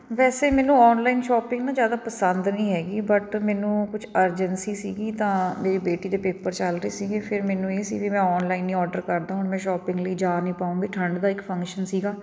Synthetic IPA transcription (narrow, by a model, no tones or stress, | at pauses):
ʋɛːseːmɛːnũːɔːnlaːinʃɔːpɪ̃ŋɡnãːzjaːd̪aːpəsə̃nd̪nĩːɦɛːɡiːbəʈmɛːnũːkʊt͡ʃʰəɾd͡ʒənsiːsiːɡiːt̪ãːmeːɾiːbeːʈiːd̪eːpeːpəɾt͡ʃəlɾəiːsiːɡeːpʰɪɾmɛːnũːeːsḭːʋimɛ̃ːɔːnlaːɪnːĩːɔːɖəɾkəɾd̪aːɦʊnmɛ̃ːʃɔːpɪ̃ŋɡləiːd͡ʒaːnĩːpaːũːɡiːʈʰəɳɖd̪aːɪkpʰə̃ŋkʃənsiːɡaː